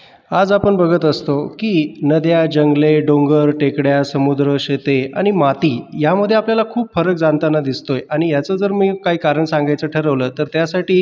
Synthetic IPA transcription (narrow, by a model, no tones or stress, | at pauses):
ad͡zapəɳbəɡʱət̪əst̪okiːnəd̪jad͡ʑəŋɡleɖoŋɡəɾʈekɽjasəmud̪ɾəɕet̪ea̰ɽ̃imat̪iːjaməd̪ʱːjeapljalakʰuːbfəɾək̚d͡zant̪anːad̪ist̪ojʔaɽ̃ijat͡səd͡zəɾmiːkaɦiːkaɾəɳsãŋɡajt͡səʈʰəɾəʋləːt̪əɾt̪jasaʈiː